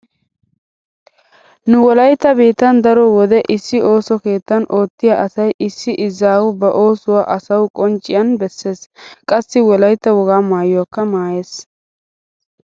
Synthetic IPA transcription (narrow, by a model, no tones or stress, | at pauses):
nʊwɔlɐjt̪ːɐbeːt̪ːɐnd̪ɐɾɔwɔd̪ɛʔɪsːɪo̞ːsɔke̞ːt̪ːɐnʔo̞ːt̪ːɪjaʔɐsɐjʔɪsːɪʔɪzaːwʊbɐʔo̞ːsʊwaːʔɐsɐwkʼɔnt͡ʃʼːɪjɐnbɛsːe̞ːskʼɐsːɪwɔlɐjt̪ːɐwɔɡaːmaːjɔɐkːɐmaːjeːs